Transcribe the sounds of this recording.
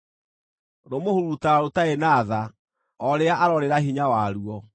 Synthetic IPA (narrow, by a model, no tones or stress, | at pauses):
ɾomohuɾutaɾotaenaːða | ɔɾeaʔaɾɔɾeɾaɦiɲawaɾuɔ